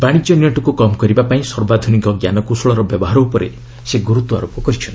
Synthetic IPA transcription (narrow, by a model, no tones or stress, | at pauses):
baɽ̃it͡ʃɔniɔʈɔkukɔmkɔɾibapaĩsɔɾbad̪ʱunikɔɡjanɔkusɔɭɔɾɔbjɔbɔɦaɾɔupɔɾḛ | seɡuɾut̪wɔa̰ɾopɔkɔɾit͡ʃʰɔn